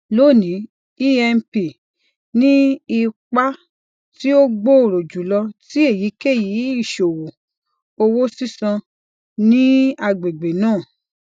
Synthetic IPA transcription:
lo˦˨nĩ˨˦ | i˦ɛ˧n˦pi˨ | nĩ˦i˧k͡pa˦ | ti˦o˦ɡ͡bo˦o˨ɾo˨d͡ʒu˨˦lɔ˧ti˦e˦˨ji˨˦ke˦˨ji˨˦i˦˨ʃo˨wo˨ | o˧wo˦si˦sã˧ | nĩ˦a˧ɡ͡be˨ɡ͡be˨nãː˦˨

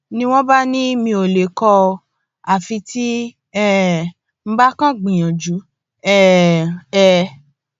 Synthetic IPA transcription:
nĩ˦w̃ɔ̃˦ba˦nĩ˦mĩ˧o˨le˨kɔ˧ | a˨fi˧ti˦ | ɛ˦ | m̩˦ba˦kã˦ɡ͡bĩ˨j̃ɔ̃˨d͡ʒu˨˦ | ɛ˦˨ | ɛ˦˨

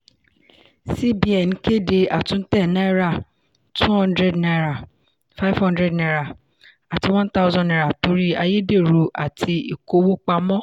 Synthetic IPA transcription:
si˦bi˨˦ɛ˨ñ̩˨˦ke˦˨de˧a˨tũ˨˦n̩˦tɛ˦˨nã˦i˦ɾa˦˨ | tu˦hɔ̃˦ndɾɛ˦˨dna˧ɾa˨ | fa˦vhɔ̃˦ndɾɛ˦˨dna˧˨ɾa˨ | a˨ti˧wã˦n˦ta˦ʊ˦zɔ̃˨ɛ˨ɾa˨to˨˧ɾi˦a˧je˦de˦˨ɾu˨˧ʔa̰˨tʰi˧ḭ˨ko˧˦wo˦k͡pa˧mɔ̃˦

